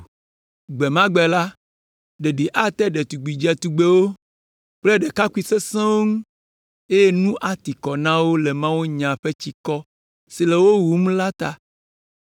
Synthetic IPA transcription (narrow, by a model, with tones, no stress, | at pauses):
ɡ͡bɛ˨mã˦ɡ͡bɛ˨la˦ | ɖe˨ɖi˨ʔa˦t̪ɛ˦ɖe˨t̪u˨ɡ͡bi˨d͡ʒɛ˨t̪u˨ɡ͡be˦wo˦ | k͡ple˦ɖe˨ka˦ku˦i˨se˦sɛ̃˦wo˦ŋũ˦ | e˦je˦nũ˦ʔa˦t̪i˨kɔ˨nã˦wo˦le˨mã˦wo˦ɲã˨ɸe˦t͡ɕi˦kɔ˦ | si˨le˨wo˦wu˨m˦la˦t̪a˨